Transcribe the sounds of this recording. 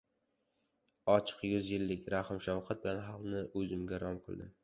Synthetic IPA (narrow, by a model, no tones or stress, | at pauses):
ɒt͡ʃʰɨ̥qjʊzjɪlːɪkʲɾahɪmʃawqat̪̚bɪlanɦɑlˠnɪʔɵzɪmɡʲaɾɒmqʰɨ̰lˠd̪ɪm